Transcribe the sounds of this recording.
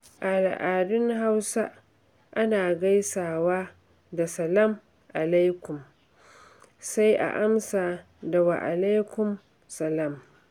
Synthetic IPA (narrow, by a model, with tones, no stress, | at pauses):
ʔa˨a̰˨ʔaː˨dɪ˦ŋɦa˦wsa˦ | ʔa˦naː˨ɡa˦jsaː˨waː˦ | da˨sɐ˨la˦˨m | ʔa˨la˦jkʷʊ˨m | sa˦jʔa̰˨ʔa˦msaː˨ | da˨wa̰˨ʔa˨la˦jkʷʊ˨m | sɐ˨laː˨m